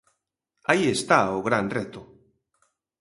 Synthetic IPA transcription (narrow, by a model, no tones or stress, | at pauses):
aiest̪aoɣɾanret̪o